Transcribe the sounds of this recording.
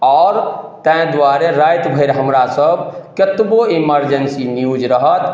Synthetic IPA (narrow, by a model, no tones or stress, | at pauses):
ɔːɾt̪ə̃ɪ̃d̪waɾeɾajt̪bʱəɪɾɦəmɾasəbkət̪boiməɾd͡ʒənsinjud͡ʒɾəɦət̪